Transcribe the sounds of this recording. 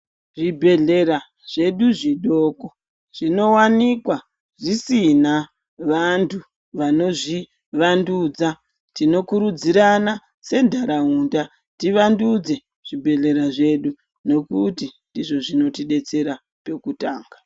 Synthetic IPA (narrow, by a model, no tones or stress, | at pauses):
ʐibʱe̞ɮe̞ɾa | ʐ̥e̞ɗuʐiɗoːko̞ | ʐ̥ino̞wanikwa | ʐisina | ʋantʰu | ʋano̞ʐi | ʋandud͡za | tino̞kuɾud͡ziɾana | se̞ndʱaɾaunda | tiʋandud͡ze̞ | ʐ̥ibʱe̞ɮe̞ɾaʐe̞ɗu | no̞kutindiʐo̞ʐino̞tiɗe̞t͡se̞ɾa | pe̞kutaːŋɡa